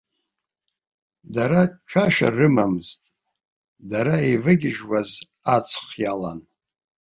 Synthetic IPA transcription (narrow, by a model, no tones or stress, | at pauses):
daɾat͡ʃʷʰaʃa̰rɨmamɨztʼ | daɾaevɨɡʲɪʒwaz | at͡sʰχjalan